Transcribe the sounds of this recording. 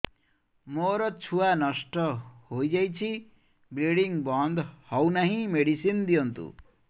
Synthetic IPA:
moɾʌt͡sʰuwanʌsʈʌɦojd͡zajt͡sʰi | bɾeɽiŋbʌnd̪hʌwnaɦĩmeɽisind̪ijʌnt̪ṵ

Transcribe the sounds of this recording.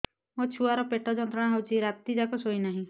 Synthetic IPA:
ot͡ʃʰuaɾɔpeʈʰɔd͡ʒɔnt̪ɾə̃ɽ̃ãɦɔwt͡ʃiɾat̪id͡ʒakɔsoinaɦĩ

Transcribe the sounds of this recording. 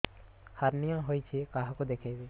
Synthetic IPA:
haɾnijãɦojt͡ʃʰekaːɦkod̪ekʰe

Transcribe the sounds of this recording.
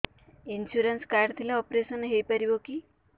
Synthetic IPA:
inɕuɾənskaɾɖt̪ʰilaɔpɾesənɦejpəɾiboki

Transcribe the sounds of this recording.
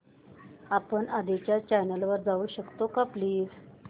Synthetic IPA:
apəɳad̪et͡ɕjat͡ɕajnəlʋəɾd͡zauːɕəkt̪okapliːd͡z

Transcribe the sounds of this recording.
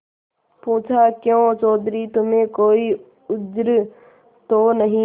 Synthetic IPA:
puːt͡ʃʰaːkjõːt͡ʃɔːd̪ɾiːt̪ʊmẽkoːiː | ʊd͡ʒɾ | t̪oːnəɦĩː

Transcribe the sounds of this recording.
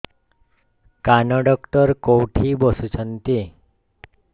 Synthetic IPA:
kanɔɖɔkʈəɾkowʈʰibɔsut͡ɕʰənt̪i

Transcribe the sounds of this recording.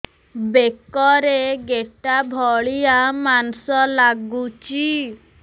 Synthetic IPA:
bekɔɾeɡeʈabʱɔɭijamansɔlaɡut͡ʃi

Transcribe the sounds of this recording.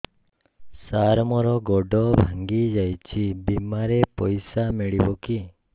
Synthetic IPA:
saɾmɔɾɔɡɔɖɔbʱaŋɡid͡ʒajt͡ʃʰibimaɾepɔjsamiɭibɔki

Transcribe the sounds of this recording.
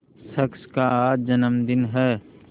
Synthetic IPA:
sɐkskaaːd͡ʒɐnəmd̪ɪnɦɛː

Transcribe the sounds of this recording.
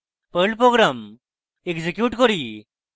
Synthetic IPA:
pəlpɾoɡɾam | ekd͡ʑekjuːʈkɔɾi

